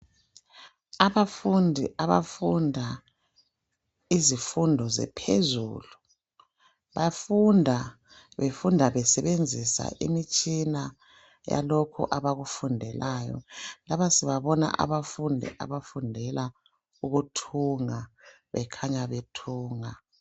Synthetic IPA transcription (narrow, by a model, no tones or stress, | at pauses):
aβafundʱiaβafundʱa | izifundʱɔzɛ̰pʰḛzṵːlu | βafundʱa | βefundʱaβɛsɛβend͡zʱisa̰ʔḭmit͡ʃʼina | ja̰lokʰṵʔaβaɣufundʱɛlʔaːjɔ̰laβasiβaβɔna̰ʔa̰βafundʱḭʔa̰βafundʱɛla | uɣutʰuŋa | βɛkʰaɲaβetʰuːŋa